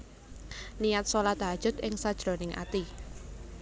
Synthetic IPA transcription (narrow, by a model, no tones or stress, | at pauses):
nijat̪̚solad̪a̤̥ʒ̥ʊ̤t̪̚ʔɪŋsad̥ʒ̥ɾo̤nɪŋʔa̰t̪i